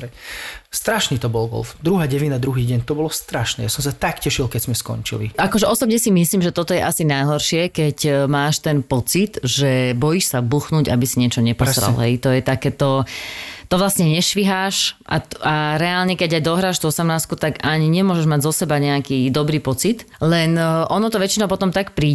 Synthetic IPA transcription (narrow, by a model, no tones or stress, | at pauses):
st̪ɾaʃniːt̪ɔbɔlɡɔ̰lfd̪ɾuɦaːɟɛʋid̪ad̪ɾuɦiːɟɛɲt̪ɔbɔlɔst̪ɾaʃnɛ̰ːjasɔmsat̪akcɛʃilkɛzmɛskɔ̰ɲt͡ʃḭlḭʔakɔʒɛɔsɔbɲɛsimisliːmʒɛt̪ɔt̪ɔjɛʔasinajɦɔɾʃɪɛkɛcmaːʃt̪ɛnpɔt͡sit̪ʒɛbɔjiːʃsabuxnuːɟabisiɲɪɛt͡ʃɔɲɛpɔɾa̰lɦɛjt̪ɔjɛt̪akɛːt̪ɔ | t̪ɔʋlasɲɛɲɛʃʋiɦaːʃʔa̰aɾɛaːlɲɛkɛɟajd̪ɔɦɾaːʃt̪uɔsamaːskut̪aɡaɲiɲɛmʊɔʒɛʒmaɟzɔsɛbaɲɛakiːd̪ɔbɾiːpɔt͡sit̪ | lɛnʔɔnɔt̪ɔʋɛt͡ʃinɔʊpɔt̪ɔmt̪akpɾiː